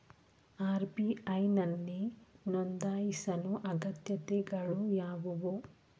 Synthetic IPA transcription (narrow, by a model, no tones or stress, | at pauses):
aːɾbiɐjnɐnːinɔnd̪aːjisɐnuʔɐɡɐt̪jɐt̪ɛɡɐɭujaːʋuʋu